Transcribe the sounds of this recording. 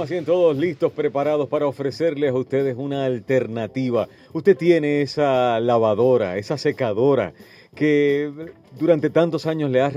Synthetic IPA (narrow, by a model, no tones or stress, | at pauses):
as̬ient̪o̞ðo̞slist̪o̞spɾe̞paɾað̞o̞spaɾao̞fɾe̞se̞ɾlesaust̪e̞ðesunaːlt̪e̞ɾnat̪iβa | ust̪e̞t̪je̞ne̞esalaβ̞aðo̞ɾa̰e̞sase̞kaðo̞ɾa̰ | ke̞ | d̪uɾant̪e̞t̪ant̪o̞saɲosle̞ar